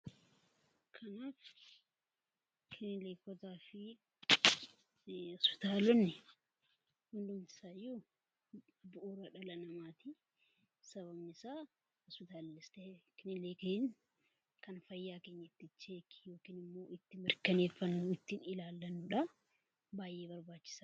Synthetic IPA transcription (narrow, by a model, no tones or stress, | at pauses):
kʰɐnaːf | kʰɪnɪleːkɔt̪aːfɪ | ɔspɪ̥t̪aːlɔnːɪ | hʊnd̪ʊmt̪ɪ̥saːju | bʊʔuːɾɐᶑɐlɐnɐmaːt̪i | sɐβɐbnɪsaː | hɔspɪt̪aːlnɪst̪ɛkɪnɪleːken | kɐnfɐjːaːke̞ːɲːɐɪt̪ːɪt͡ʃːeːki̥jo̞ːkiːnɪmːo̞ːɪt̪ːɪmɪɾkɐne̞ːfːɐnːʊɪt̪ːɪnɪlaːlːɐnːʊᶑɐ | baːjʔe̞ːbɐɾbaːt͡ʃːɪ̥sḁː